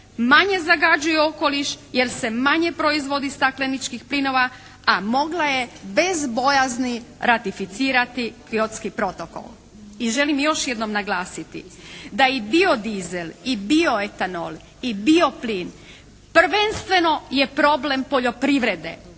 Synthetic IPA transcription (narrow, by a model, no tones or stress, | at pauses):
maɲe̞zaɡad͡ʑujeo̞ko̞liʃje̞ɾse̞maɲe̞pɾoizʋo̞d̪ist̪aklenit͡ʃkixplino̞ʋa | amo̞ɡlaje̞be̞zbo̞jazniɾat̪ifit̪siːɾat̪ikiot̪skipɾo̞t̪o̞ko̰l | iʒe̞limjo̞ʃjed̪no̞mnaɡlˠaːsit̪ḭd̪ajibio̞d̪izelibio̞et̪ano̰l | ibio̞pliːn | pr̩ʋe̞nst̪ʋe̞no̞je̞pɾo̞ble̞mpo̞ʎo̞pɾiʋɾed̪e̞̰